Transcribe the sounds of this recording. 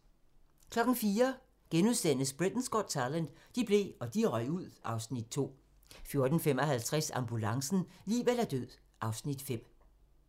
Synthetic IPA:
kʰlɒ̽ɡ̥n̩fiːɐ | ɡ̥enuðˠsd̥en̰əsb̥ʁid̥n̩sɡ̥ɒd̥sɑlænd̥ | d̥ib̥le̝̰ɒ̽d̥iʁɒɪuð̰ˠʔɑ̈ʊsnid̥̚t͡sʰo̝̰ː | fjo̝ɐd̥n̩fem̰ɒ̽ɦælt͡sʰʁasɑ̈mb̥ulɑ̈ŋsn̩lḭːʋelæd̥øð̰ˠ | ʔɑ̈ʊsnid̥fem̰

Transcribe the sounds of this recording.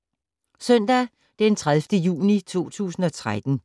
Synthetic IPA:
sœn̰d̥æ | d̥ent͡sʰʁaðˠfd̥əjṵːnit͡sʰo̝̰ːt͡sʰṵːsn̩ɒ̽t͡sʰʁad̥n̩

